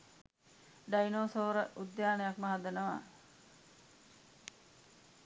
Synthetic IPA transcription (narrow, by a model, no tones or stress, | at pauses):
ɖajnoːsoːɾəʔud̪ːjaːnejakməɦad̪ənəʋa̰